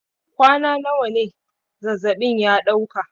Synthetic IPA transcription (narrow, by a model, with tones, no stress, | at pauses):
kʷaː˦naː˦na˦wɐ˨neː˦ | zɐ˨zɐ˨ɓɪ˦ɲjaː˦ɗa˦wka˨ʔ